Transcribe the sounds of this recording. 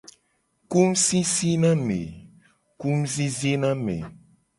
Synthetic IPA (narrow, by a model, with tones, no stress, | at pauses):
ku˦msi˦si˦nã˦mḛ˨ | ku˦mzi˦zi˦nã˦mḛ̃˨